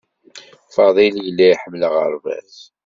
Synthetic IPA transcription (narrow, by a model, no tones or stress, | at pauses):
fɑðˤiljəlːæiħəmːləʁə̰ɾˤvæ̰θ